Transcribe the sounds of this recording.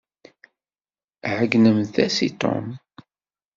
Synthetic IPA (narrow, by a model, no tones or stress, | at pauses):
ʕəɡnəmθæsit̪ˤo̰m